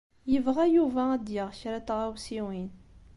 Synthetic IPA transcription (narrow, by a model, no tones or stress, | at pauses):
jəvʁajuvææd̪jəʁçɾat̪ʁæwsiwin